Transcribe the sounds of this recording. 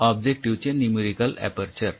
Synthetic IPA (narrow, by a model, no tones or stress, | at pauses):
ab̚d͡ʑek̚ʈiʋt͡ɕenimiɾikəlɛ̰pəɾt͡ɕəɾ